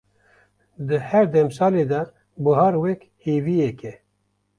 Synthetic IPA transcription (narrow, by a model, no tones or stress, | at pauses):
d̪ɨhɛɾd̪ɛmsɑːleːd̪ɐ | bɨɦɑːɾwɛk | heːviːjɛkɛ